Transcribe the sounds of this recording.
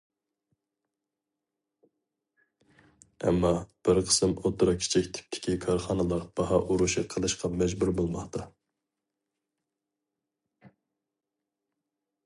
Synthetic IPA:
ɛ̰mːɑb̥ɪɾqʰə̥sɨmot̪ɾɑkʲʰi̥t͡ʃʰɛkʲt̪ʰɪ̥p̚t̪ʰɪ̥kʲʰikʰɑɾχɑnɨlˠəqb̥ɑɦɑʔuɾuʃɨqʰəlˠɨʃqʰɑmɛd͡ʒbuɾbolˠmɑχt̪ʰɑ

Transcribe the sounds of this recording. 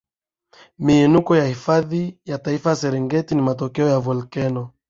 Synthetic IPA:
miɛnukɔjahifaðijataifaasɛɾɛŋɡɛtinimatɔkɛɔjavɔlkɛnɔ

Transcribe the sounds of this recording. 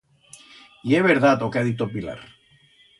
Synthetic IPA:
ieβeɾðat̪okaðit̪opila̰ɾ

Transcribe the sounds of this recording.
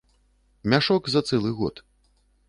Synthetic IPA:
mʲaʂɔkzɐt̪sɛlˠɨɣɔt̪

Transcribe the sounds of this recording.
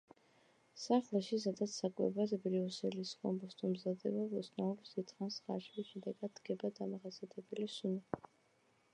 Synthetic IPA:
saχlˠɛʃis̬ad̪at̪sʰakʼwɛ̰bad̪ʰbɾiɔsɛliskʼɔ̰mbɔst̪ʼɔmzad̪ɛbaɔsnaɔpsd̪it̪χansχa̰ʃviʃɛd̪ɛɡad̪̚ɡɛbad̪amaχaziat̪ʰʼɛbɛlisuni

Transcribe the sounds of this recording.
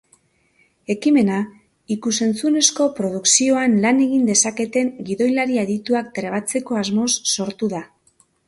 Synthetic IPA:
e̞kime̞na | ikuse̞nt͡sune̞sko̞pɾo̞ð̞uksio̞anlane̞ɣind̪e̞sake̞t̪e̞ŋɡiðo̞jlaɾieðit̪uak̚t̪ɾeβ̞at͡se̞ko̞azmo̞sːo̞ɾt̪uð̞a

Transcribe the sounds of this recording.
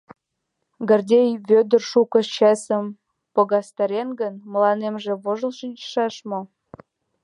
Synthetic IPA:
ɡə̆rdʲejβʲød̪ərʃukə̆t͡ɕæsə̆m | pŏɣɑst̪ɑɾʲenɡənmə̆lɑnemʒĕβoʒə̆lʃinʲt͡ɕʃɑʃmo

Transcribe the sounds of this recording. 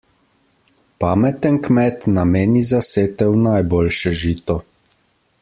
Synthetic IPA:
paːmɛt̪ɛnkmɛt̪nameːnizaseːt̪ɛwnajboːlʃɛʒiːt̪ɔ

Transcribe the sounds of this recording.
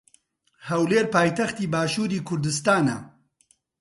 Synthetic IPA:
hɐwleːɾpaːjt̪ɐxt̪iːbaːʃuːɾiːkʰʊɾd̪ɨs̬t̪aːnɐ̰

